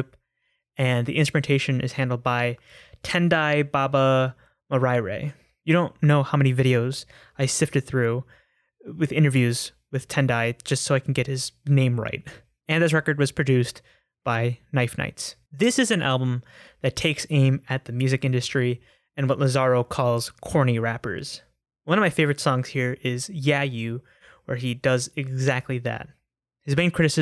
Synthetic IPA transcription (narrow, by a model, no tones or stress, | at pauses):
p | ɨ̃nðiʔɪ̃nstɹ̥əmɨ̃ntʰeɪʃɨ̃nʔɨ̰z̥hæ̃ndˡl̩ˠd̚baɪ | tʰɛ̃ndaɪbɑbə | mə˞aɪɹḛɪ | jɨɾõʊ̃nːoʊhaʊmɛnivɪɾioʊz | aɪsɪftɨd̪̚θɹʉ | wɨðɪ̃ɾ̃ə˞vjʉz | wɨð̥tʰɛ̃ndaɪ̥d͡ʒ̥ʌstsoʊaɪkʰn̩ɡɛt̚hɨz̥nẽɪ̃mɹa̰ɪt̚ | ɨ̃nðɪs̬ɹɛkə˞d̚wʌz̥pʰɹ̥ɨdʉst | b̥aɪnaɪfna̰ɪts | ðɪsɨzɨ̃nʔæ̰lˠbə̃mðɨtʰeɪksẽɪ̃mɨt̪̚ðɨmjʉzɨkɪ̃ndɨstɹ̥i | ɨ̃nwʌʔˡləzɑɹoʊkʰɔlˠz̥kʰɔɹñiɹæpə̰˞z̥ | wʌ̃nʌvmaɪfeɪvə˞ɨtsɔ̃ŋz̥hiɹɪzjæjʉ | wə˞idʌzɨɡzæk̚tˡliðɨ̰t̚ | hɨzmẽɪ̃nkʰɹ̥ɪɾɨsɨ